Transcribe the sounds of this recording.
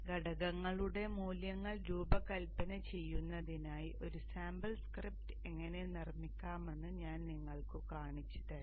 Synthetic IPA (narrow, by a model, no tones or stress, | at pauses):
ɡɐɽɐɣɐŋːɐɭuɽe̞muːljɐŋːɐɭɾuːbɐkɐlpɐnɐt͡ɕe̞jːunːɐðinaːjiʔo̞ɾusaːmbɐlskrip̚tɨe̞ŋːɐne̞nirmikʲːaːme̞nːɨɲaːnniŋːɐɭkɨkaːɳit͡ɕːɐ̥ðɐ